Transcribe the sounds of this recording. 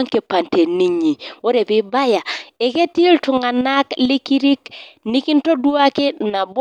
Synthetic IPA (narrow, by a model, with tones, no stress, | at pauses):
ŋke˨pa˨nte˨ni˨ɲi˨wo˦ɾe˨pi˦ba˦ja˨e˨ke˦ti˦ltʊ˨ŋa˨na˦kli˦ki˦ɾi˦kni˦ki˦nto˦du˦a˦kɪ˦na˨b